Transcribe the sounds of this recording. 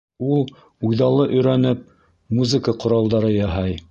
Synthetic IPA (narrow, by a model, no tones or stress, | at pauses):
ulˠ | ujðɑlˠɤʔɵ̆jɾænɘp̚ | muzɘkəqŏɾɑlˠd̪ɑɾɤjɑɦɑj